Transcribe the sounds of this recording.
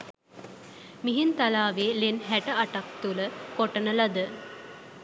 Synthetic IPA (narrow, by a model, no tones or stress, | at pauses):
miɦint̪alaːʋeːlenɦæʈəaʈak̚t̪uləkoʈənəlɐd̪ə